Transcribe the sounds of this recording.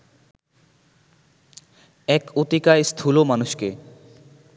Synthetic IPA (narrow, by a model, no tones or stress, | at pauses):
ɛkot̪ikaest̪ʰulomanuʃke